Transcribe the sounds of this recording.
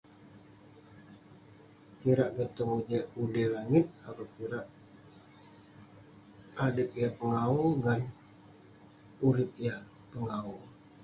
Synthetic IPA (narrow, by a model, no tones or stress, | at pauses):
kiɾaʔɡət̪ʊŋud͡ʒɛudɛlaŋɪt̪̚apakiɾaʔ | adəp̚ijapəŋauɡan | uɾɪp̪̚ija | pəŋau